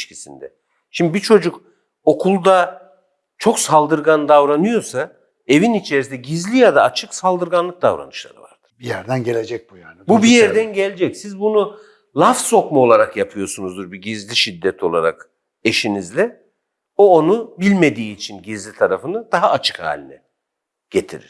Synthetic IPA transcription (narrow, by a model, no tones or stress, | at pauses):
ʃcʰisḭnd̪ɛ | ʃimd̪ibit͡ʃʰo̞d͡ʒuk | o̞kʰulˠd̪a | t͡ʃʰo̞ksalˠd̪ɯɾɡand̪avɾanɯjo̞sa | e̞vinit͡ʃʰe̞ɾis̬ind̪ɛɟizlʲijad̪aːt͡ʃʰɯksalˠd̪ɯɾɡanlˠɯk̚d̪a̰vɾa̰nɯʃlˠa̰ɾɯ̰va̰ɾd̪̥ɯ̥bijæɾd̪ænɟelʲed͡ʒɛc̚bujaːnbubijɛɾd̪ænɟelʲed͡ʒɛcsizbunu | lˠafso̞kmao̞lˠaɾakjapʰɯjo̞sunuzd̪uɾbiɟizlʲiʃid̪ːɛt̪ʰo̞lˠaɾa̰k | e̞ʃinizlʲɛ | o̞ːnubilʲme̞d̪iːt͡ʃʰinɟizlʲit̪ʰaɾafɯnɯd̪̥aɦaːt͡ʃʰɯ̥kha̰ːlʲinɛ | ɟ̥et̪ʰiɾḭɾ̥